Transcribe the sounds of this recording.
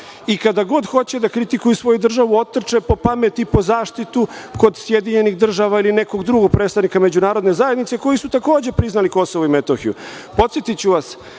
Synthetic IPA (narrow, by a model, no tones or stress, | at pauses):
ikad̪aɡo̞d̪xo̞t͡ɕe̞d̪akɾit̪ikujusʋo̞jud̪r̩ʒaʋuo̞t̪ːr̩t͡ʃepo̞pame̞t̪ipo̞zaːʃt̪it̪uko̞d̪sje̞d̪iɲe̞niɣd̪r̩ʒaʋailine̞ko̞ɡd̪ɾuɡo̞ɡ̚pɾeːt̪aʋnikame̞d͡ʑunaːɾo̞d̪ne̞zajed̪nit̪se̞ko̞jisut̪ako̞ːd͡ʑe̞pɾiznaliko̞so̞ʋoime̞t̪o̞xijṵ | po̞t̪sjet̪it͡ɕuʋas